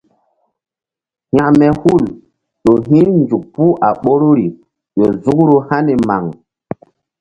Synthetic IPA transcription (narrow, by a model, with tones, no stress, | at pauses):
ha˨mɛ˨hu˦˨l | ɗo˨ɦĩ˦nd͡ʒu˨k̚pu˦ʔa˨ɓo˦ɾo˦ɾi˨ | ɗo˨zu˦kɾo˦ha˦ne˨ma̰˨ŋ